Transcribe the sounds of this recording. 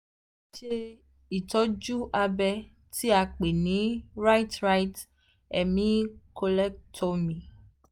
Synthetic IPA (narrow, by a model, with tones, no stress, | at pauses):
t͡ʃe˦ | i˨tɔ˦d͡ʒu˦ʔa˧bɛ˦ | ti˦a˨k͡pe˨nĩ˨˦ɾa˦jtɾa˦jt | ɛ˨mĩ˦ko˧lɛ˦k̚tʰɔ˦mĩ˨